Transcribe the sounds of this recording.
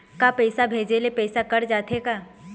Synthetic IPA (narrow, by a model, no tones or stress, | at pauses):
kapɛːsabʱeːd͡ʒelepɛːsakɐɾd͡ʒaːt̪ekaː